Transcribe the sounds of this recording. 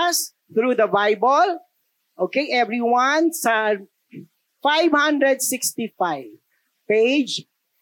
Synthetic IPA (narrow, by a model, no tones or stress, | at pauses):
s | t̪ɾud̪əbaɪbəl | okeʔɛvɾiwãns | faɪvhʌ̃ndɾɛdsɪkstifaɪv | ped͡ʒ